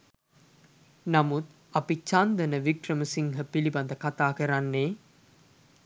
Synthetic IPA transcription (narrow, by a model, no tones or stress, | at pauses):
namut̪ | apit͡ʃand̪ənəʋikrəməsiŋɦəpiliband̪əkat̪aːkəɾanːe